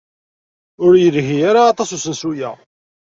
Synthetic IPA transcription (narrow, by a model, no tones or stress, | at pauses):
ʊɾjəlʝijaɾaːt̪ˤɑsusənsujæ